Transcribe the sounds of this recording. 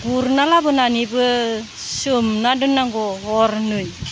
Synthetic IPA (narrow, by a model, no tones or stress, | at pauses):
ɡuɾnalabɯnanibɯ | sɯmnadɯnaŋɡoɦoɾnɯj